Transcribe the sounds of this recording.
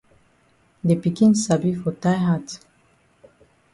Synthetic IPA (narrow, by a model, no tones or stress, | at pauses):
depikĩnsabifɔtajɦat